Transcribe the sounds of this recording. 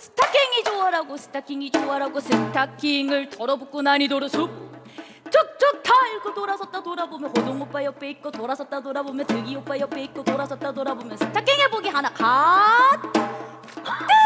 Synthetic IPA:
sʰɯ̥tʰak͈ʰiŋid͡ʑoaɾaɡosʰɯ̥tʰakʰiŋid͡ʑoaɾaɡosʰɯtʰakʰiŋɯɭtʌɾʌbuk͈unaɲidoɾosʰup̚ | t͡ɕ͈ok̚t͡ɕ͈ʌk̚tʰaiɭk͈ʰotoɾasʰʌt̚t͈adoɾabomjʌnkʌdoŋop͈ajʌp͈eik̚k͈otoɾasʰʌt̚t͈adoɾabomjʌntɯɡiop͈aiʌp͈eik̚k͈otoɾasʰʌt̚t͈adoɾabomjʌnsʰɯ̥tʰakʰiŋɦeboɡiɦanakat̚

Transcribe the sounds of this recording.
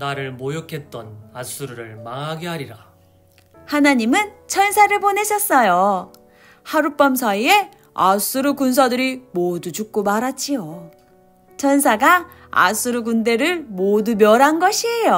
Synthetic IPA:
naɾɯɭmojokʰe̞t̚t͈ʌnas͈uɾuɾɯɭmaŋɦaɡeɦaɾiɾa | hanaɲimɯnt͡ɕʰʌnsʰaɾɯɭpone̞ɕʰʌs͈ʌjo | haɾup͈ʌmsʰaie̞ | as͈uɾukuns̬ʰadɯɾimodud͡ʑuk̚k͈omaɾat͡ɕ͈ʰio | t͡ɕʰʌnsʰaɡa | a̰s͈ʰuɾuɡunde̞ɾɯɭmodumjʌɾanɡʌɕʰiejo

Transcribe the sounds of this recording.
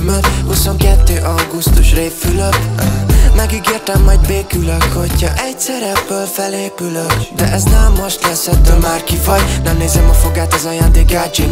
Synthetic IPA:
mɛhuso̞ŋkɛt̪ːøːʔɒɡust̪uʃreːfːyløk | mɛɡiɡeːrt̪ɛmːɒjdbeːkyløkho̞chɒʔɛɟsɛɾɛbːøːlfɛleːpyløkd̪ɛʔɛznaːlmo̞ʃt̪lɛsɛt̪ːølmaːrkifɒjnɛmneːzɛmɒfo̞ɡaːt̪ɒzɒjaːnd̪eːkaːd͡ʒi

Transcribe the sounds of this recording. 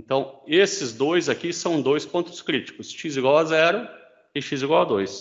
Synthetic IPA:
ẽnt̪ɐ̃w̃esɪzd̪ojzakisɐ̃w̃d̪ojspõnt̪ʊ̥skɾit͡ʃi̥kʊsʃiziɡwawazɛɾʊ | ɪʃiziɡwawad̪ojs

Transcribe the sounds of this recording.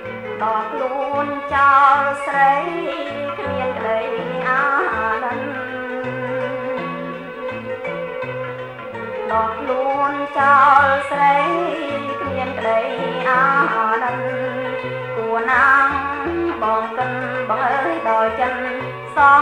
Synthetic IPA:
ɓɑkʰluəənt͡ɕalsrəj | kʰmiənkɗəjʔahaːɗən | ɗɑkʰluənt͡ɕalsrəjkʰmiənkɗəjʔahaːɗən | kuənaŋɓɑːŋkən | ɓɑŋəjɗaːjt͡ɕən | sɑ

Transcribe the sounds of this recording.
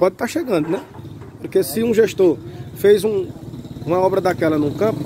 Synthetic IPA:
pɔd̪ɪt̪aɾʃeɡɐ̃nd̪ʊnɛpoɾkesɪũʒeʃt̪oɾfejzũũmɐɔbɾɐd̪akɛlɐnũkɐ̃pʊ

